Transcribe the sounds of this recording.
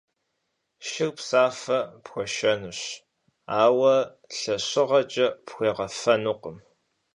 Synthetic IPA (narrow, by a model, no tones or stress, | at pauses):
ʃɪwpsaːfɐpxʷɔʃɐnɨɕ | aːwɐ | ɬɐɕɪʁɐt͡ʃʼɐpxʷeːʁɐfɐnuqəm